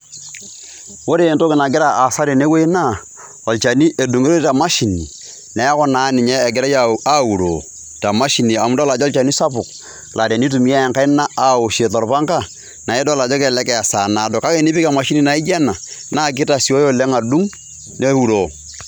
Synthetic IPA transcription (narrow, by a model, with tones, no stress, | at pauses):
wo˦ɾe˦˨nto˦kɪ˨na˨ɡɪ˦ɾa˨ʔa˨sa˦ɾi˨ne˦we˦i˦na˦˨ | ɔ˨lt͡ʃa˨ni˦ʔe˨du˨ŋe˦ɾo˦ta˨ma˦ʃi˨nḭ˨ | nɛ˨˦kɔ˦na˨˦nɪ˨ɲɛː˦˨ɡɪ˨ɾa˦ja˦u˨ɾo̰˨ | ta˨ma˦ʃi˨ni˨a˨m˦dla˨d͡ʒɔ˦lt͡ʃa˨ni˦sa˦pʊ˨k̚ | lʔa˨ɾa˨ni˦t̬u˨mi˦a˦˨ŋka˦ɪ˦na˦a˦o˨ʃe˨tɔ˨ɾpa˦ŋka˦ | na˨e˦dɔ˦la˨d͡ʒɔ˦kɛ˨lɛ˦kɛ˨a˨sa˨na˨do˨ka˦ke˦˨ni˦pɪ˦ka˨ma˨ʃi˦ni˦˨na˨ɪ˦d͡ʒɛ˦na˨na˦k̬ɪ˦ta˨si˨o˦jo˦lɛ˦ŋa˨du˦ŋ | ne˦u˦˨ɾoː˨